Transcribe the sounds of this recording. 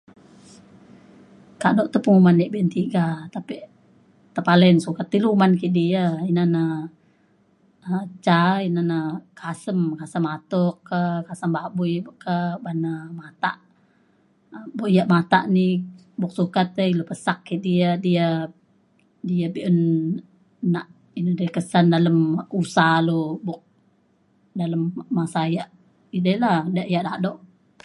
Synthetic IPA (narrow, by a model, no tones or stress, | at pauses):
kanoʔt̪əpuŋumaniʔbiʔənt̪iɡat̪apiʔ | t̪əpalənsukat̪ːilumankiʔdiəinanə | t͡ʃainanəkʰasəmkasəmat̪ɔkːəkasəmbabujbəkəbanəmat̪a̰ʔ | buʔjaʔmat̪a̰ʔni | bʊk̚sukat̪əilupəsakːidiədijə | diəbiʔən | naʔ | inədaikəsandaləmusalubʊk̚ | daləmmasajaʔ | idəladaʔjaʔdaʔdoʔ